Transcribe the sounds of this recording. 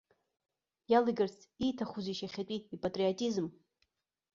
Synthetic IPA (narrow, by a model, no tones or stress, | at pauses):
jalɨɡɨrt͡sʰʼitʰaχuziʃaχʲatʷʼiːpʼatʼriotʼizm